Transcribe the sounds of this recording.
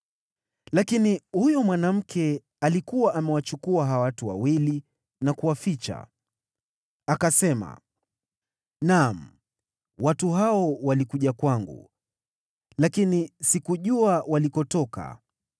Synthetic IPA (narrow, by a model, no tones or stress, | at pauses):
lakinihujɔmwanam̩kʰɛ | alikuwaʔamɛwat͡ʃukuaɦawatuwa̰wili | nakuwafit͡ʃa̰ | akasɛma̰ | nam̩ | watuɦaɔwalikuʄakwaŋɡṵ | lakinisikuʄuawalikɔtɔka̰